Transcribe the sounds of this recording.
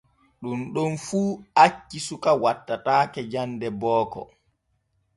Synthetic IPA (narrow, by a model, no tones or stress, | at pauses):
ɗunɗunfuːat͡ʃːisukawatːataːkɛd͡ʒandɛbɔːkɔ̰